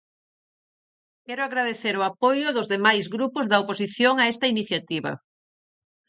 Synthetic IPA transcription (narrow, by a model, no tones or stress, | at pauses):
kɛɾʊaɣɾað̞eθeɾʊapojʊðʊzðemajzɣɾupʊzðɐoposiθjoŋaɛst̪ɐiniθjat̪iβɐ̰